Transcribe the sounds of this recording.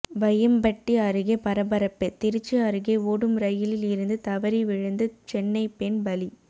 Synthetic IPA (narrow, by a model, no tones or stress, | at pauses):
ʋɐjɐmbɐʈːiɐɾɯɣepɐɾɐbɐɾɐpːet̪ɪɾɯt͡ʃːɯɐɾɯɣeoːɽɯmɾɐjɪlɪlɪɾɯnd̪ɯt̪ɐʋɐɾiʋɪɻɯnd̪ɯt͡ʃɛnːɐɪpenbɐli